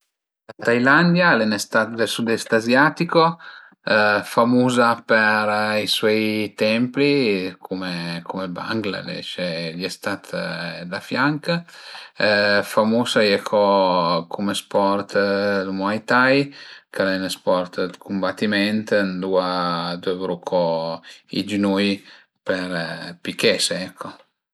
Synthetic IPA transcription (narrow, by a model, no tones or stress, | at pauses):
lat̪ajland̪jalɛnest̪at̪d̪elsud̪ɛst̪azjat̪iko | famuzapeɾiswɔjt̪ɛmplikʰumekumeba̰ŋɡla̰d̪ɛ̰t͡ʃɛliɛst̪at̪d̪afjaŋk | famusajɛkʰɔkʰumespɔɾt̪lmwajt̪ajkalɛnəspɔɾt̪d̪kʰumbat̪ːimɛnt̪nd̪uad̪ɛvɾukʰɔ | ḭd͡ʒinuj | pɛɾpikɛseɛkʰːɔ